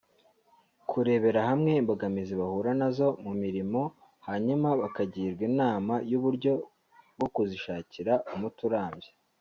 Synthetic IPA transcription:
kʰuɾe̞ːβe̞ɾahamŋe̞imboɡamiziβahuːɾanazo̞mumiɾimo̞ | haɲumaβakaɟiːɾɡwinaːmajuβuɾɟo̞ | bɡo̞kuziʃaːciɾaʔumutuɾaːmbje

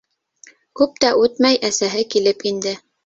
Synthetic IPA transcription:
kʉp̚t̪æʔʉt̪mæjʔæsæɦɘkilɘpind̪ɘ

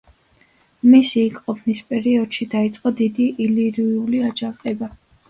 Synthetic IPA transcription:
misiːkʼqʼɔpʰnispʼɛɾiɔd̪̥ʃid̪ait̪sʼqʼɔd̪id̪iʔiliɾiuliad͡ʒaqʼɛba

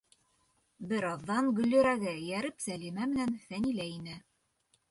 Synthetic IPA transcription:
bɘ̆ɾɑðːɑŋɡɵ̆lːɵ̆ɾæɡɘjæɾɘpsælimæmɘ̆nænθænilæinɘ

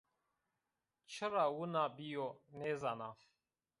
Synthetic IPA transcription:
t͡ʃʰəɾawunabijoneːzana

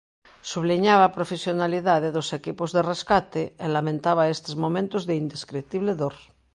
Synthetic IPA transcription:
suβliɲaβaːpɾofesjonaliðaðeðosekipozðereskat̪eelamẽnt̪aβaest̪ezmomẽnt̪ozðeind̪eskɾet̪iβleðoɾ

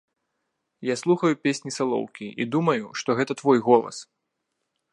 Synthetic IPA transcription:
jaslˠuxɐjupʲesʲnʲisalˠɔ̰wkʲiʔḭd̪umɐjuʂt̪ɔɣɛt̪ɐt̪vɔjɣɔlˠɐ̰s

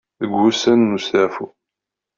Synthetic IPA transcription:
ðəɡʷːusænːustæfu

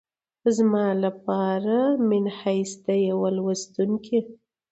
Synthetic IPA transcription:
əzmɑlap̚ɑɾamɪnhajsd̪ajawalwast̪uŋkʰe

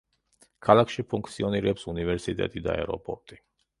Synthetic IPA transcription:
kʰalakʃipʰuŋkʰt̪sʰiɔniɾɛpsunivɛɾsit̪ʼɛ̰t̪ʼid̪a̰ɛɾɔ̰pʼɔɾt̪ʼi̥

